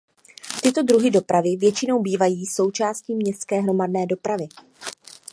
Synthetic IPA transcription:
t̪ɪt̪o̞dɾuɦɪdo̞pɾavɪvjɛt͡ʃɪno̞wbiːvajiːso̞wt͡ʃaːsciːmɲɛst̪skɛːɦɾo̞madnɛːdo̞pɾavɪ

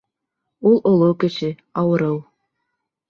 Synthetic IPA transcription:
ulˠʔolˠokɘ̆t͡ɕɘ̆ | ɑwɤ̆ɾɤw

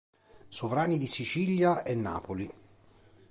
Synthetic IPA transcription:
sovɾaːnid̪isit͡ʃiːljaenːa̰ːpoli

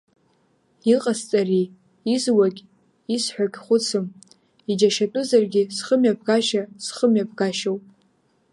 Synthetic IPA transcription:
iqʼast͡sʼari | izwakʲʼ | isħʷᶣakʲχʷʊt͡sʰɨm | id͡ʒaʃatʼʊzarɡʲɪsχəmjab̚ɡaʃasχəmjab̚ɡaʃowpʼ

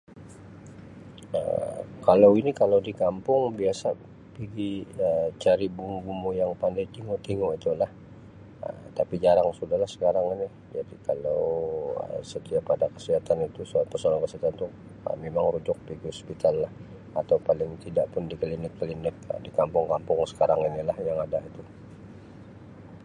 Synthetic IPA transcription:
ə̰kalawinikalawdikampʊŋbiasa | piɡiət͡ʃaɾibumubumujaŋpandajt̪iŋot̪iŋoit̪ulah | ə̰mt̪apid͡ʒaɾaŋsudahlahsə̥kaɾaŋani | d͡ʒadikalawə̰sət̪iapːadakəsiɦat̪anit̪uspərsolaŋkəsiɦat̪ant̪u | ə̰memaŋɾud͡ʒʊk̚piɡiɦɔspit̪alːah | at̪awpalɪŋt̪idaʔpʊndikəlinɪkːəlinɪk̚ə̰dikampʊŋkampʊŋsə̥kaɾaŋinilahjaŋadait̪u

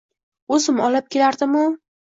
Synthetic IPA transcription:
ɵzɪmɒlap̚kʲʰelaɾd̪ɪmʊ

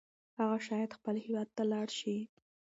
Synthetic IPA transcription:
haɣaʃɑjad̪xpəlhɪwɑd̪̚t̪alɑɽʃi

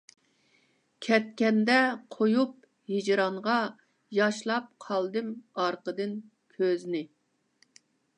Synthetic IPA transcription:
kʲʰɛt̪̚kʲɛnd̪ɛqʰojup̚ | hid͡ʒɾɑɴʁɑ | jɑʃlˠɑp̚qʰɑlˠd̪ɨmɑɾqəd̪ɨn | kʲʰøznɪ

